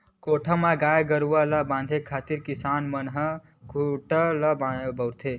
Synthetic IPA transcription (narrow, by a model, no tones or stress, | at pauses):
koʈʰəmaɡaːjɡəɾuwalabãːnd̪ʱekʰaːt̪iɾkisaːnmənɦə | kʰuʈələbbəwɾt̪ʰe